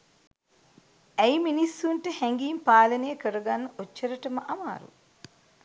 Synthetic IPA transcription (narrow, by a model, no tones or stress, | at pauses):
ɛjminisːuɳʈehɛŋɡijmpaːlɐneːkɐɾuɡanːot͡ʃːɐɾɐʈɐmɐʔɐma̰ːɾṵ